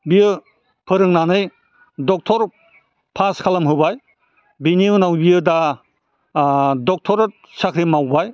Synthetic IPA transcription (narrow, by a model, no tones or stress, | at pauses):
bijɯ | pʰɯɾɯŋnanɯj | dɔk̚tʰɔɾ | pʰaskʰalamɦɯbaj | biniunawbijɯda | dɔk̚tʰɔɾt̚ | sakʰɾimawbaj